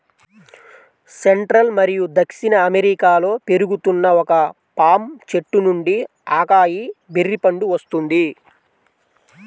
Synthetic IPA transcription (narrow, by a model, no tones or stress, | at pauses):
seɳʈɾɐlmɐɾijud̪ɐkʂinɐːmeɾikaːlo̞ːpe̞ɾuɡut̪unːɐɔkɐ | paːmt͡ʃe̞ʈːunuɳɖi | aːkaːjiberːipɐɳɖuʋɐst̪und̪i